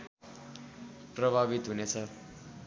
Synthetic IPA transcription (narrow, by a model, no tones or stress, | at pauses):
prʌbʱaβit̪ɦunet͡sʰʌ